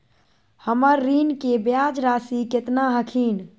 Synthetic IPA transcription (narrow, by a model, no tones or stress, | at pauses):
həməɾːinkebjad͡ʒɾasiket̪naɦəkʰin